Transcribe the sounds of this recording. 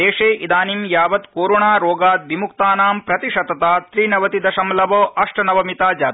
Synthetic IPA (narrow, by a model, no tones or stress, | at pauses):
eːʂeːʔid̪aːnimjaːʋɐt̪koːɾoːɳaːɾoːɡaːt̪̚ʋimukt̪aːnaːmpɾɐt̪iʂɐt̪ɐt̪aːst̪ɾiːnɐʋɐt̪id̪ɐʃɐmlɐʋoːʔɐʂʈɐnɐʋɐmit̪aːd͡ʒaː